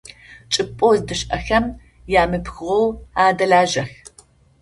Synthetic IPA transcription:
t͡ʃʼɨpʼozdɨʃʔɐxɐm | jaːmɨpxʁʷowaːdɐɮaːʒɐx

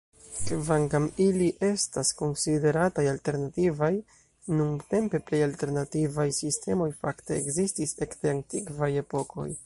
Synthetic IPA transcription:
kvaŋkamiliʔe̞stasko̞nside̞ɾatajalte̞ɾnativaj | nunte̞mpe̞ple̞jalte̞ɾnativajsistʰe̞mo̞jfakte̞ːɡzistise̞kteantikvaje̞po̞ko̞̰j

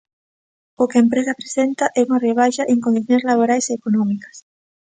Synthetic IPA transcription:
ʊkeempɾesapɾesent̪aʔɛuŋareβ̞ajʃaʔeŋkond̪iθjõŋzlaβoɾajseːkonɔmikɐ̥s

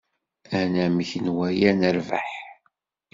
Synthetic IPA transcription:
ænæmiçənwæjænəɾva̰ħ

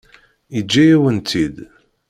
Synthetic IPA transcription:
id͡ʒːæjiwənt̪ʰid̪

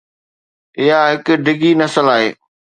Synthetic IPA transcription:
ɪɦaɦɪkʊɖʱɪɡinɐsəlaːɦeː

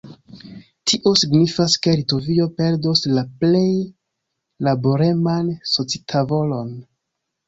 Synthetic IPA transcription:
tʰiʔo̞siɡnifaske̞ɾito̞vio̞pe̞ɾdoslaple̞j | labo̞ɾe̞manso̞t͡sitʰavo̞lo̞n

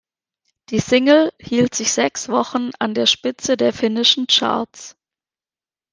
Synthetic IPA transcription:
d̥iːsɪŋl̩hiːltz̥ɪçz̥ɛksv̥ɔχn̩andeːɐʃpɪt͡sədeːɐfɪnɪʃn̩t͡ʃa̰ɐt͡s

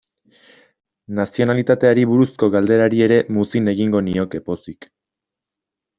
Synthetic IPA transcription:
nasio̞nalit̪at̪e̞aɾiβuɾusko̞ɣald̪e̞ɾaɾie̞ɾe̞musine̞ɣiŋɡo̞nio̞ke̞po̞sik

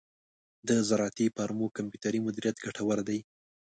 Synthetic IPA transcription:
d̪əzaɾɑt̪ipaɾmokampjut̪aɾimʊd̪iɾijat̪ɡaʈʰawaɾd̪aj

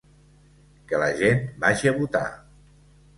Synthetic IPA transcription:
kələʒenbaʒiəβut̪a̰

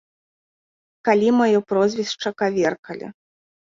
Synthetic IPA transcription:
kalʲimajɔpɾɔzʲvʲist͡ʂɐkavʲɛrkɐlʲḭ

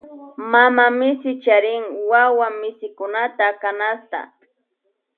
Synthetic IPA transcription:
mamamɪsɪt͡ʃaɾɪŋwawamɪsɪkʊnat̪akanast̪a̰

